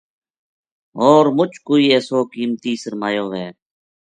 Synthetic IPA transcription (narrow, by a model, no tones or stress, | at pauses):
oːɾmʊt͡ʃʰkoːiːeːsoːkiːmt̪iːsəɾmaːjoːʋeː